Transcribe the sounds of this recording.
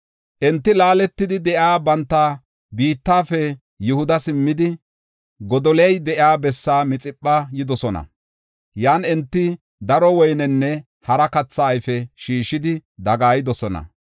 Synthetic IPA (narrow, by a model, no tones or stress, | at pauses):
ʔɛnt̪ːɪlaːlɛt̪ːɪd̪ɪd̪ɛʔjaːbɐnt̪ːa | biːt̪ːaːfɛ | jʊhʊd̪ɐsɪmːɪd̪ɪ | ɡɔd̪ɔlɛjd̪ɛʔɪaːbɛsːaːmɪt͡sʼɪpʼːɐjɪd̪ɔsɔnɐ̰ | jaːnɛnt̪ːɪ | d̪ɐɾɔwɔjnɛnːɛ | hɐɾɐkɐt͡sːaːjfɛʃiːʃɪd̪ɪd̪ɐɡaːjɪd̪ɔsɔnɐ̰